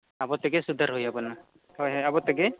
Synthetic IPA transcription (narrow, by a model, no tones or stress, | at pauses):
abɔt̪ɛɡɛsud̪ʱaɾɦojabɔna | hɔjɦɔjabɔt̪ɛɡɛ